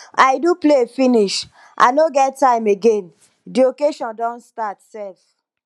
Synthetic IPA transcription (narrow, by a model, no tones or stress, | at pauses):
aɪduplefiniʃ | ʔa̰noɡɛttːãɪ̃meɡẽn | diokeʃɔ̃ndɔ̃nstatsɛlf